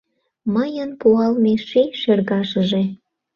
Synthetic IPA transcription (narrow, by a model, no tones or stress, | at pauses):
məjənpuɑlmeʃeʃerɣɑʃə̆ʒe